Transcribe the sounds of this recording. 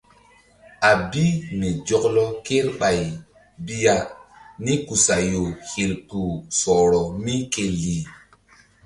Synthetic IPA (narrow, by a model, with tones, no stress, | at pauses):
a˨bi˦me˨d͡ʒɔ˨klɔ˦ke˦ɾɓa˨j | bi˦ja˨ni˦ku˨sa˨jo˨he˨lku˨sɔ˨ɾɔ˨mi˦ke˨lːi˨